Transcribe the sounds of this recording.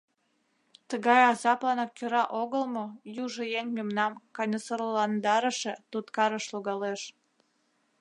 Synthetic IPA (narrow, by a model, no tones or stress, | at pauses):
t̪əɣɑjɑzɑplɑnɑkʲːøɾɑʔoɣəlmojuʒojeŋʲmemnɑmkɑnʲəsərlɑnd̪ɑɾəʃĕt̪ut̪kɑɾəʃloɣɑleʃ